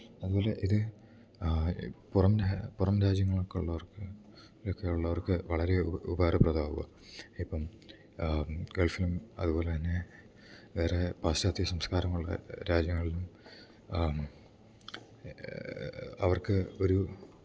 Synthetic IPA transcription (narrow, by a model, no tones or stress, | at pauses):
ɐðubo̞ːle̞ʔiðɨ | purɐmapurɐmɾaːd͡ʑjɐŋːɐɭo̞kːeuɭːɐʋɐrkɨ | okːejuɭːɐʋɐrkɨʋɐɭɐɾeubɐɐrɨprɐðaːʋuɣɐ̰ | ipːɐm | ɡeɭfilumɐ̰ðuboːle̞t̪ɐnːe̞ | ʋe̞ːrepaːsaːt̪ːiɐsɐmskaːɾɐmuɭːɐ̰ɾaːd͡ʑjɐŋːɐɭilum | ɐʋɐrkɨo̞ɾu